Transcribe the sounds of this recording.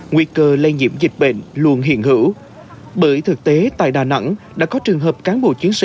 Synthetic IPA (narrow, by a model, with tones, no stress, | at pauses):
ŋwi˧kəː˧lə˧jɲḭ˧˥əmzï˨˩k̟̚ɓḛ˧˨nlu˧ənɦḭ˧˨ənhɨ̰˧˩˥w | ɓəː˧˩jt̪ʰɨ˨˩k̚t̪e˨˦t̪a̰ː˧˨jɗaː˨˩na̰˧˥ŋɗa̰ː˧˥kɔ˨˦t͡ɕɨ˨˩əŋɦəː˨˩p̚kaː˨˦nɓo̰˧˩t͡ɕi˨˦ənsḭ˧˨